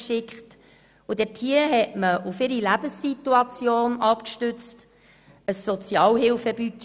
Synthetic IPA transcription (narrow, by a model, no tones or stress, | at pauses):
ʃɪkχt | ʊdɛtʰhiəɦɛtməʔufɪɾilæb̥əsːit̪uɑt͡sjoːnɑpkʃtʏt͡st | əsːɔt͡sjɑːlɦɪlfəbyt͡ʃ